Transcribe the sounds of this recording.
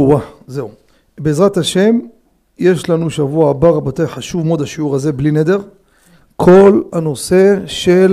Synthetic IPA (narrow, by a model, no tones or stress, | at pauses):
aze̞u | beeːzʁat̪aʃe̞m | je̞ʃlanuʃavuaːbaʁabot̪ejħaʃuvmod̪haʃiuʁaze̞blined̪e̞ʁ | kʰo̞lhano̞se̞ʃel